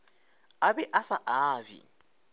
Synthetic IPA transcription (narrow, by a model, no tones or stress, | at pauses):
abɛʔasaʔaːvḭ